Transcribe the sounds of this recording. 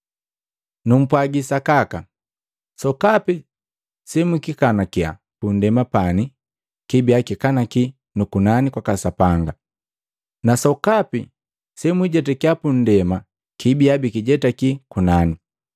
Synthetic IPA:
num̩pwaɡisakaka | sɔkapi | sɛmwikikanakia̰ | pun̩dɛmapani | kibiakikanaki | nukunanikwakasapaŋɡa | nasɔkapi | sɛmwiɟɛtakiapun̩dɛma | kibiabikiɟɛtakikunani

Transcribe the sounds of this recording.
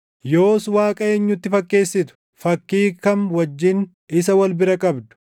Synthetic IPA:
jo̞ːswaːkʼɐeːɲːʊt̪ːɪfɐkːe̞ːsːɪt̪ʊ̥ | fɐkːiːkɐnwɐd͡ʒːɪn | ɪsɐwɐlbɪɾɐkʼɐbd̪ʊ̥

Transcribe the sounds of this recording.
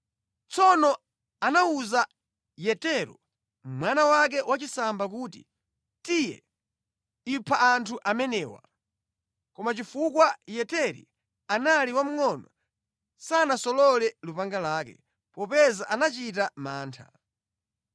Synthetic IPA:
t͡sɔnɔ | anauza | jɛtɛɾɔ̰ | mwanawak̬ɛwat͡ʃisambak̬uːtḭ | tijɛ̰ | ipʰaʔːntʰuʔamɛnɛːwa̰ | kɔmat͡ʃifukwajɛtɛɾḭ | analiwam̩ŋɔnɔ | sanasɔlɔlɛlupaŋɡalaːkɛ̰ | pɔpɛzaʔanat͡ʃit̬amaːntʰa

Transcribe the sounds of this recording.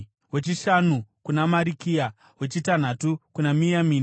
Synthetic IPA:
we̞t͡ʃiʃanukunamaɾikija | we̞t͡ʃitan̤atukunamijamiːn

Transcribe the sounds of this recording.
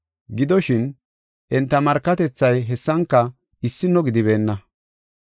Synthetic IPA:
ɡɪd̪ɔʃɪn | ʔɛnt̪ːɐmɐɾkːɐt̪ɛt͡sːɐjɦɛsːɐŋkːɐ | ɪsːɪnːɔɡɪd̪ɪβe̞ːnːɐ

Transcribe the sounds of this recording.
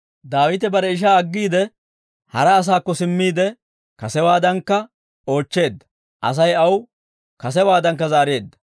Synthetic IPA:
d̪aːwɪt̪ɛbɐɾɛɪʃ̬aːɐɡːiːd̪ɛ | hɐɾɐːs̬aːkːɔsɪmːiːd̪ɛ | kɐsɛwaːd̪ɐŋkːɐ | o̞ːt͡ʃːe̞ːd̪ːɐ̥ | ʔɐ̰s̬ɐjɐw | kɐs̬ɛwaːd̪ɐŋkːɐzaːɾe̞ːd̪ːɐ̥

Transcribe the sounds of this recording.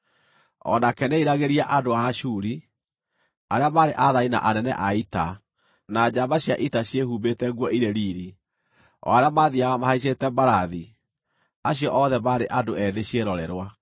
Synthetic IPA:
ɔ̰nakɛneiɾaɣeɾiaʔadoaʃuɾi | aɾeamaɾeʔaðaina̰ʔanɛnɛ̰ʔaita | nad͡ʑabaɕjaʔitaɕjehuːbetɛɣwɔʔiɾeɾiːɾi | ɔ̰aɾeamaðiaɣamahaiɕ̬etɛbaɾaði | aɕijɔʔɔðɛmaːɾeʔadoɛðeɕeɾɔɾɛɾwa

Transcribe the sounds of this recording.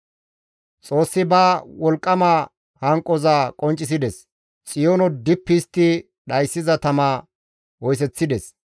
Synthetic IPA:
t͡sʼo̞ːsːɪbaːwɔlkʼːɐmaː | hɐŋkʼːɔzaːkʼɔnt͡ʃʼːɪs̬ɪd̪ɛs | t͡sʼɪjonɔd̪ɪpːist̪ːɪ | ɗɐjsːɪzɐt̪ɐmaː | wɔjs̬ɛt͡sːɪd̪ɛs

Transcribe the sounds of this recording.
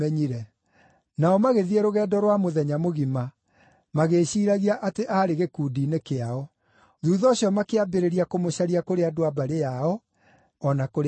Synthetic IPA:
ɛɲiɾɛ | naɔmaɣeðiɛɾoɣɛːdɔɾwamoðɛɲamoɣima | maɣeɕiːɾaɣiaʔateʔaɾeɣekuːdiːnekeaɔ | ðuːðɔɕjɔmakeabeɾeɾiakomoɕaɾiakoɾeadoabaɾejaɔ | ɔnakoɾ

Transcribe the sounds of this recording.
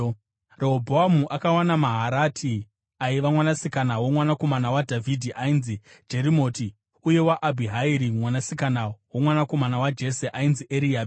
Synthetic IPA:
reɦobʱoamuʔakawanamaɦaɾatʰi | aiʋamwanasikanawomwanako̞manawadʱavʱidʱiʔainzi | d͡ʒe̞ɾimo̞ːti | uje̞waʔabʱiɦaiɾimwanasikanawomwanako̞manawad͡ʒe̞seʔainziʔeɾiab

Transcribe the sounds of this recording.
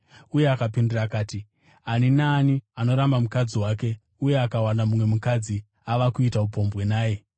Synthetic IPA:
uje̞akapinduraːkaːti | aninaːniano̞ɾambamukad͡ziwaːke̞ | uje̞akawanamumwe̞mukad͡zi | aʋakuitaupo̞mbwe̞naːje̞

